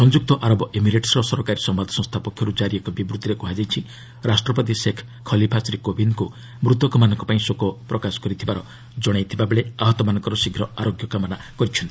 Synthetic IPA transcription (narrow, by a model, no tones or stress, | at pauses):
sɔnd͡ʒuk̚t̪ɔʔaɾɔbɔʔemiɾeʈsɾɔsɔɾɔkaɾisɔmbad̪ʱɔsɔ̃ŋst̪ʰapɔkʰjɔɾud͡ʒaɾiekɔbibɾut̪ːiɾekuɦad͡ʒajt͡ʃʰi | ɾasʈɾɔpɔt̪̬isekʰ | kʰːɔlipʰasɔɾikobinku | mɾut̪ɔkɔmanɔŋkɔpaĩsokɔpɾɔkasɔ̥kɔɾit̪ʰibaɾɔ | d͡ʒɔɽ̃ajt̪ʰibabeɭeaɦɔt̪ɔmanɔŋkɔɾɔsiɡʱɾɔaɾoɡjɔkamɔnakɔɾit͡ʃʰɔnt̪i̥